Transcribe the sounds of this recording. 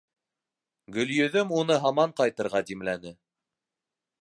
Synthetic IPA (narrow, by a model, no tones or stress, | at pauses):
ɡɵ̆ljɵ̆ðɵmunɤɦɑmɑɴqɑjt̪ɤ̆ɾʁɑd̪imlænɘ